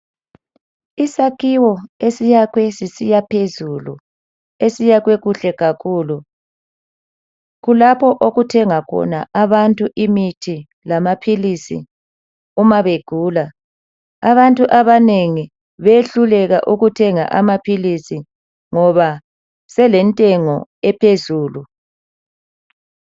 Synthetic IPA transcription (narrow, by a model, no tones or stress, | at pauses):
isakʰiwɔesijakwɛsisijapʰezulṵ | esijaɣweɣuɬɛɣakʰuːlu | ɣulapʰɔʔoɣutʰɛŋakʰɔ̰na̰ʔaβantʼuʔimitʰi | lamapʰilisḭ | umaβeɡ̥ʱuːla | aβantʼuʔaβaneŋi | βeɬulɛɣa̰ʔuɣutʰɛŋa̰ʔamapʰilisi | ŋɔβa | sɛlɛntʼɛŋɔ̰ɛpʰezuːlu